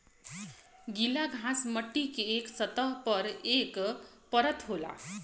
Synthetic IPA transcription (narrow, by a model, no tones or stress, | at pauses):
ɡilaɡʱãsmʌʈːikeeksʌt̪ʌɦpʌɾek | pʌɾʌt̪ɦola̰